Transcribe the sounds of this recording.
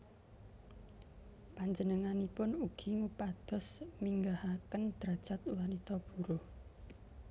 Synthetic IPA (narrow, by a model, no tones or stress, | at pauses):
paɲd͡ʒənəŋanipʊnuɡ̥i̤ŋupad̪̥ɔ̤smiŋɡahakənd̪̥ɾad̥ʒ̥a̤t̪wanit̪ɔb̥ṳɾʊh